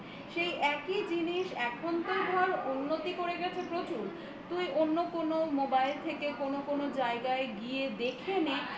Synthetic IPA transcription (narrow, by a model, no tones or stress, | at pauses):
ʃejʔɛkid͡ʑiniʃɛkʰont̪ejd̪ʱɔɾunːot̪ikoɾeɡɛt͡ɕʰepɾot͡ɕuɾ | t̪ujʔonːokonomobajlt̪ʰekekonokonod͡ʑaeɡaeɡied̪ekʰeni